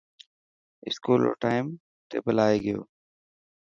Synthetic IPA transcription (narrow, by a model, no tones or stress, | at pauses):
ɪ̰skuːlo̰ːʈaːɪm | t̪ḛːbəlaːeːɡəjo̰ː